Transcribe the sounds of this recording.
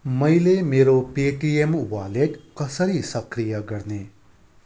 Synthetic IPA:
mɐjlemeːɾopeːʈiemʋaːleʈkɐsəɾisɐkɾijaɡɐɽneː

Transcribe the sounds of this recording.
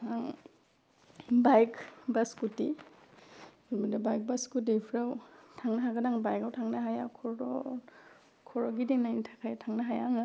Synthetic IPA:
aŋ | bajkbaskuti | umidabajk̚baskut̬ipʰɾawtʰaŋnaɦaɡadaŋbajkawtʰaŋnaɦajakʰɔɾɔ | kʰɔɾɔɡidiŋnajnitʰakʰajtʰaŋnaɦajaŋɯ

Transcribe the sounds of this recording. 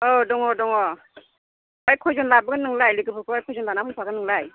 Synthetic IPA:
ɔdɔŋɔdɔŋɔ | ɔjkʰɔjzɔnlabɯɡɯnɯŋlajlikɯpʰɯkʰɯɔjkʰɔjzɔnlanamɯnpʰaɡɯnɯŋlaj

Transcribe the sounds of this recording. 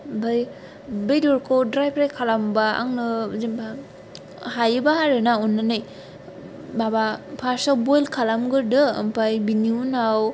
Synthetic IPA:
baj | bejdɔɾkʰowdɾajpʰɾajkʰalambaa̰ŋnɯzimba | hajɯbaɦaɾɯnaunːanɯj | babapʰaɾsawbojlkʰalamɡɯɾdɯ̰ːmpajbiniunaw

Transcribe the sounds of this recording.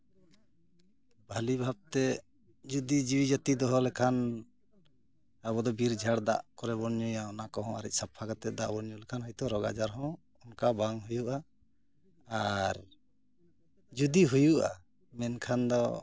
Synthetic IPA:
bʱalibʱab̚t̪ɛ | d͡ʒud̪id͡ʒiwid͡ʒat̪id̪ɔɦɔlɛkʰan | abɔd̪ɔbiɾd͡ʒʱaɽd̪a̰ʔkɔɾɛbɔnɲujaɔnakɔɦɔ̃a̰ɾɛc̚sapʰːakat̪ɛd̪aʔbɔnɲulɛkʰanɦɔjt̪ɔɾɔɡa̰d͡ʒaɾɦɔ̃ | ɔnkabaŋɦujuʔa | aɾ | d͡ʒud̪iɦujuʔa̰ | mɛnkʰand̪ɔ̰

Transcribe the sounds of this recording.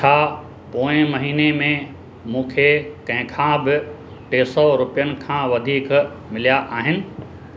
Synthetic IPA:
t͡ʃʰaː | poːɪ̃mɐɦiːnemẽ | mũːkʰekɐ̃ɦɪ̃kʰãbɪ | ʈeːsɔɾʊpijənɪ̆kʰãːʋɐd̪ʱiːk | mɪlijaʔaːɦɪnɪ̆

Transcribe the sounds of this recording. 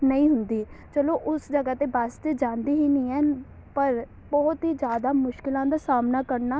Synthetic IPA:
nəĩːɦʊnd̪iːt͡ʃəloːʔʊsd͡ʒəɡaːt̪eːbaːst̪eːd͡ʒãːnd̪iːɦiːnĩːɛː | pəɾ | bɔːt̪ɦiːd͡ʒjaːd̪aːmʊʃkɪlãːd̪aːsaːmnaːkəɾnaː

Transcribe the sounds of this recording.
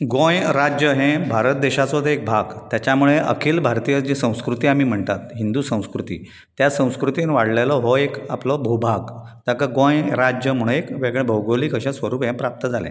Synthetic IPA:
ɡõjɾad͡ʑjəɦẽbʱaɾət̪̚d̪eɕat͡sɔt̪ek̚bʱaɡt̪jat͡ɕamuɭeʔə̰kʰiːlbʱaɾt̪ijəd͡ʑisə̃w̃skɾut̪iːamiːm̤əɳt̪at̪ɦind̪uːsə̃w̃skɾut̪ḭː | t̪jasə̃w̃skɾut̪inʋaɽlalɔɦoekaplɔbʱubʱaɡt̪akəɡõjɾad͡ʑjəm̤uɽ̃ũekʋeɡɭẽbʱəwɡoliːkəɕãsʋəɾuːpɦɛ̃pɾap̚t̪əd͡zʱalɛ̰̃

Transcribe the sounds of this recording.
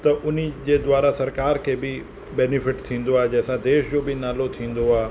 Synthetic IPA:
t̪əʔʊnid͡ʒed̪ʋaːɾasɐɾkaːɾkebʱi | bɛnɪfʰɪʈt̪ʰĩːnd̪oad͡ʒɛːsãd̪eːʃd͡ʒobʱinaːlot̪ʰĩːnd̪oaː

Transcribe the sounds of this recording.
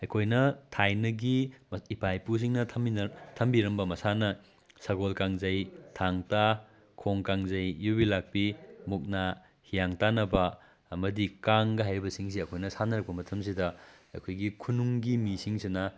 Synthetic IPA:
ɐjkʰojnɐtʰajnɐɡiipʰajpus̬iŋnɐmtʰɐmbiɾɐmbɐmɐsanɐ | sɐɡolkaŋzɐjtʰaŋta | kʰoŋkaŋzɐjːubilak̚pimuk̚na | hijaŋtanɐbɐ | ɐmɐdikaŋɡɐɦajɾibɐsiŋs̬iɐkʰojnɐsanɐɾɐk̚pɐmɐtʰɐmsidɐ | ɐ̰jkʰojɡikʰunuŋɡimisiŋsinɐ

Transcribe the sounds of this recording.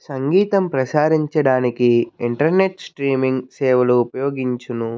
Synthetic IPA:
sɐŋɡiːt̪ɐmpɾɐsaːɾiɲt͡ʃɐɽaːnikiiɳʈɐɾneʈsʈɾiːmiŋɡsɛːʋɐluːpɐjo̞ːɡiɲt͡ʃunu

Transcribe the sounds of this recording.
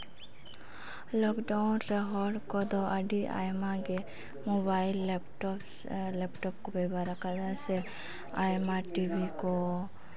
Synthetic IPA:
lɔkɖawnɾeɦɔɽkɔd̪ɔʔaɖiʔa̰jmaɡe | mobajlpʈɔ | lɛpʈɔp̚kɔbɛbʱaɾakʰad̪ase | ajmaʈibikɔ

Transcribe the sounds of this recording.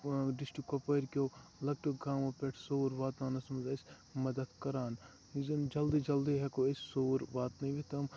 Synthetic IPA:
ɖɪsʈikopɐɾkʲoːlɐk̚ʈoɡãːmopeʈʰsoːɾʋaːt̪aːnɐsmɐzɐsʲ | mɐd̪ɐd̪kɐɾaːn | izɐmd͡ʒɐld̪id͡ʒɐld̪iɦɛkoɐssoːɾʋaːt̪nɐĩʋet̪ɐm

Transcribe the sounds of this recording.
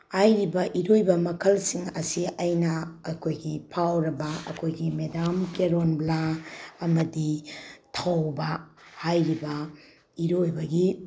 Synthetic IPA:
hajɾibɐʔiɾojbɐmɐkʰɐlsiŋɐsiajnɐːkʰojɡipʰawɾɐbɐɐ̰kʰojɡimedamkeɾonblaɐmɐditʰɐwbɐhajɾibɐ | iɾojbɐɡi

